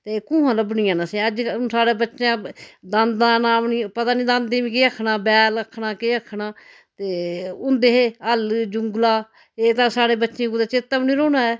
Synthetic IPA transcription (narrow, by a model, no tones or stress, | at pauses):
t̪eːkũːɦãːləbniːãːnaːsẽəd͡ʒsaːɽeːbətːʃjãːd̪ãːnd̪ãːnaːmniːpət̪aːnĩːd̪ãːnd̪eːʋĩːkeːəkʰnaːbɛːləkʰːɳaːkeːəkʰːɳaː | t̪eːʊnd̪eːɦeːəld͡ʒʊŋɡlaː | eːt̪ãːsaːɽeːbətːʃẽːud̪eːt͡ʃɪt̪ːamnĩːɾoːnaːɛː